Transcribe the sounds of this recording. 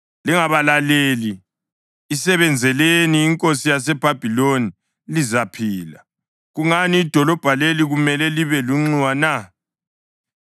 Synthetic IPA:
liŋaβalaleliː | sɛβɛnd͡zʱɛleniːŋkʼosijas̬ɛb̥ʱab̥ʱiloni | lizapʰiːla̰ | ɣuŋaniːd̥ʱɔlɔb̥ʱaleliɣumɛlɛliβɛluŋ͡ǀiwana

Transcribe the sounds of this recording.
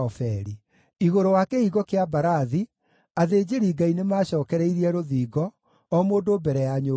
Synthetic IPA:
ɔfɛɾi | iɣoɾowakeiɣɔkeabaɾaði | aðeːd͡ʑeɾiːɡainemaːɕɔːkɛɾɛiɾiɛɾoðiːɡɔː | moːdoːbɛɾɛjaɲo

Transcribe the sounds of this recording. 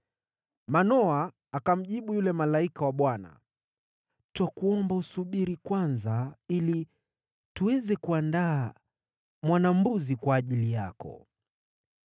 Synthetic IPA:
manɔaː | kam̩ʄiɓujulɛmalaikawaɓwana̰ | twakuɔmbausuɓiɾikwanzaili | tuwɛzɛkuandaː | mwanam̩buzikwaːʄilijakɔ̰

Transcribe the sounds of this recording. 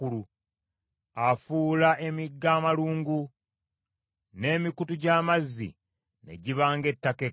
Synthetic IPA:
ulu | afuːlaʔe̞miɡːaːmaluːŋɡu | ne̞ːmikutuɟaːmazːḭ | ne̞̰ɟiβaːŋɡe̞tːake

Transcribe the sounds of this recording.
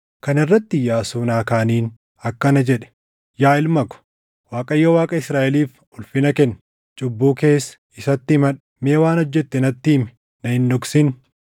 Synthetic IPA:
kɐnɪrːɐt̪ːɪjaːsuːnaːkaːniːn | ɐkːɐnɐd͡ʒɛᶑɛ̥ | jaːɪlmɐkʊ̥ | waːkʼɐjːowaːkʼɐɪsɾaːʔɛliːf | ʊlfɪnɐkɛnː | t͡ʃʼʊbːuːke̞ːsɐ̥ | ɪsɐt̪ːɪmɐᶑ | meːwaːnɔd͡ʒːɛt̪ːɛnɐt̪ːɪːmɛ̥ | nɐhɪndɔksɪn

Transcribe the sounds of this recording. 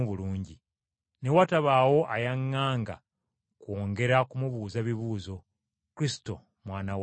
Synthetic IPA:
uβuluːɲɟi | ne̞wataβaːwo̞ʔajaŋːaːŋɡa̰ | kwo̞ːŋɡe̞ɾakumuβuːzaβiβuːzo̞ | kuɾisi̥to̞̰ | mwaːnaw

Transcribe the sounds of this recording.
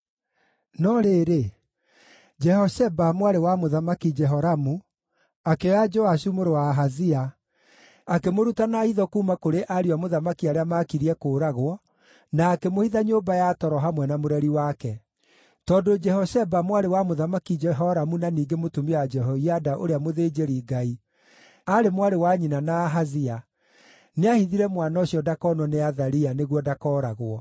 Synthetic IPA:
nɔɾeːɾe | d͡ʒɛhɔsɛbamwaɾewamoðamakid͡ʒɛɦɔɾamu | akeɔjad͡ʒɔaʃumoɾowaɦaðia | akemoɾutanaiðɔkuːmakoɾeʔaɾiwamoðamakiaɾeamaːkiɾiɛkoːɾaɣwɔ | naːkemohiðaɲoːbajatɔɾɔɦamwɛnamoɾɛɾiwakɛ | tɔːndod͡ʒɛhɔsɛbamwaɾewamoðamakid͡ʒɛɦɔɾamunaniːɡemotumiwad͡ʒɛɦɔiadaʔoɾeamoðed͡ʒeɾiɡai | aɾemwaɾewaɲinanaɦazia | neahiðiɾɛmwanaoɕiɔdakɔnɔneaðaɾianeɣwɔdakɔɾaɣoɔ

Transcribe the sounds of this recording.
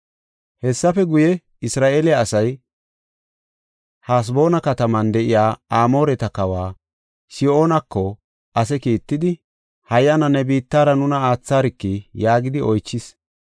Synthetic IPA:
hɛsːɐfɛɡʊjɛ | ɪsɾaːʔeːlɪaːsɐj | haːs̬bo̞ːnɐkɐt̪ɐmɐnd̪ɛʔɪjaːaːmo̞ːɾɛt̪ɐkɐwaː | sɪo̞ːnɐkːɔ | ʔɐs̬ɛkiːt̪ːɪd̪ɪ | hɐjːɐnɐnɛbiːt̪ːaːɾɐnʊnɐaːt͡sːaːɾɪkːɪjaːɡɪd̪ɪʔɔjt͡ʃːɪs

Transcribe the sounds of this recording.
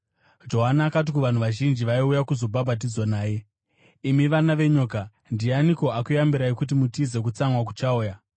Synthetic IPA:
d͡ʒo̞ɦanaːkat̬ikuʋan̤uʋaʒind͡ʒiʋaiujakuzo̞bʱabʱat̬id͡zwanaːje̞ | imiʋanaʋe̞ɲoːka | ndianiko̞akujambiɾaikut̬imutize̞k̬ut͡samwak̬u̥t͡ʃauːja

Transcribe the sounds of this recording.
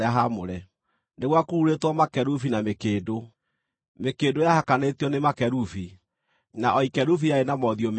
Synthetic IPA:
aɦamoɾɛ | neɣwakuuɾetwɔmakɛɾufinamekeːdo | mekeːdojahakanetiɔnemakɛɾufi | naʔɔikɛɾufijaenamɔðiɔm

